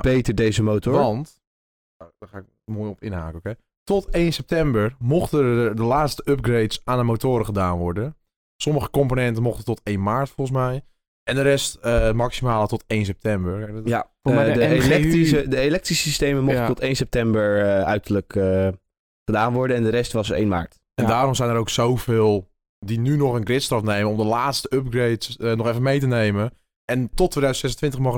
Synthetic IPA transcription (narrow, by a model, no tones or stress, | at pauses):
b̥ejtəɹdejzəmotːʋɑnt | daχaːɪk | moːjɔpɪnɦa̰ːkəoke | tɔtejnsɛp̚tɛmbəɹmoχtədəlaːtstəøp̚ɡrejtsaːnəmoːtoːɾəχədaːnʋɔɹdən | sɔməχəkɔmponɛntənmoxχtətɔtejnmaːɹtfolˠəs̬mɛj | ʔɛndəɾɛstəmaksimaːlətɔtejns̬ɛp̚tɛmbərjaflɛkiədəelɛk̚trisistejməmɔtətɔtejnsɛp̚tɛmbəɹœɥtəɹlək | χədaːnʋɔɹdənɛndəɾɛstʋɑsəɹḛjnma̰ːɹt | ɛndaːɾɔmsɛjnəɾowksowv̥ɪːlˠ | dinynɔχənɡrɪtstrɔfnejmənɔmdəlaːtstəøp̚ɡrejtənɔχɛfənmejtənejmən | ʔɛntɔtʰːʋejdœɥzənsɛsəntʋɪntəχmɔχə